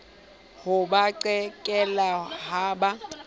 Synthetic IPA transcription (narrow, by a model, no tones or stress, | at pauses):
hʊbaǀɛkʼɛlahaba